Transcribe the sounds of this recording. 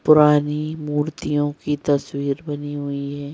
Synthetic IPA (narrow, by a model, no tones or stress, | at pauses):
pʊɾaːnimuːɾt̪ijõkit̪ɐswiːɾbɐniɦʊiɦɛː